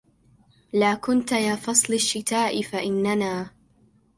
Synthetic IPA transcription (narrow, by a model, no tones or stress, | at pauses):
laːkʊnt̪ajaːfɑsˤlɪʃːɪt̪aːʔɪfaʔɪnːanaː